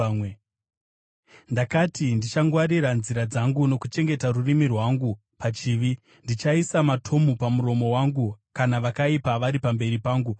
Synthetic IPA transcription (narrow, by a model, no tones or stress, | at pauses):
ndakatindit͡ʃaŋɡwaɾiɾanziɾad͡zaŋɡuno̞kut͡ʃe̞ŋɡe̞tarurimirwaŋɡu | pat͡ʃiːʋi | ndit͡ʃaisamatʰo̞mupamuɾo̞mo̞waŋɡukanaʋakaipaʋaɾipambe̞ɾipaːŋɡu